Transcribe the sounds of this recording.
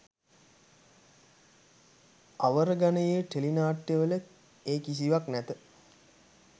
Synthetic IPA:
aʋəɾəɡanəjeʈelinaːʈːjeʋələ | eːkis̬iʋaknæt̪ə

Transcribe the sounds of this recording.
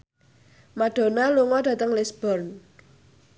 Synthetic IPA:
maɖ̥o̤naluŋɔɖ̥ä̤t̪əŋlɪsb̥ɔrn

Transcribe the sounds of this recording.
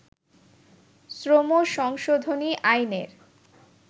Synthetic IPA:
sɾomoʃɔŋʃod̪ʱoniʔajneɾ

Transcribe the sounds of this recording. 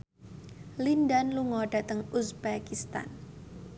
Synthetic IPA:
lindanluŋɔɖ̥a̤t̪əŋusbakist̪a̰n

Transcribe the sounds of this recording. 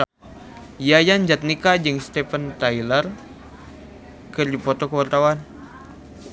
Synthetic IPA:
jajand͡ʒat̪̚nikad͡ʒəŋst̪ɛfənt̪ajlər | kərd͡ʒipɔt̪okəwart̪awan

